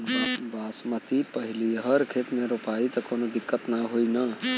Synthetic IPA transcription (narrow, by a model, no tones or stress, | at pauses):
baːsmət̪ipəɦɪliɦəɾkʰeːt̪mẽɾupaːit̪ɐkoːnod̪ɪkːət̪naɦoina